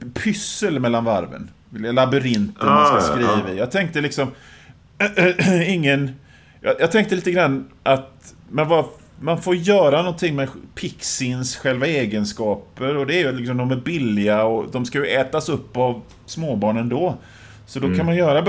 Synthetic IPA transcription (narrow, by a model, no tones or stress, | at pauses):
pʰʏsːəlmɛlːanva̰ɾvə̰n | vɪllabɵɾɪnt̪ənskaskɾiːvɪjɑːɡ̚t̪ʰɛŋk̚t̪əlɪksɔm | ɪŋːən | jɑjɑːɡ̚t̪ʰɛŋkt̪əliːt̪əɡɾanːʔat̪ | manva | manfoːɾjœːɾanɔnt̪ʰɪŋːmɛpʰɪksɪnsɧɛlvaeːɡənskɑːpəɾɔd̪ɛæɾjɵlɪks̬ɔmd̪ɔmæɾbɪlːɪɡaɔd̪ɔmskajɵɛːt̪asɵpːav | smoːbɑːɳənd̪ɔ | sɔd̪ɔkʰanmanjœːɾa